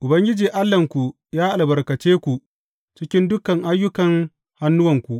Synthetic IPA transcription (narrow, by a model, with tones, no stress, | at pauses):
ʔʊ˨bɐ˦ŋɡʲɪ˦d͡ʒiː˨ʔa˦lːɐ˨ŋkʷu˨ | jaː˦ʔa˨lbɐ˨rkɐ˨t͡ʃeː˦kʷu˨ | t͡ʃɪ˦kʲɪ˦ndʊ˦kɐ˨ŋʔa˦jːʊ˦kɐ˨ŋ | ha˦nːʊ˦wɐ˨ŋkʷu˨ʔ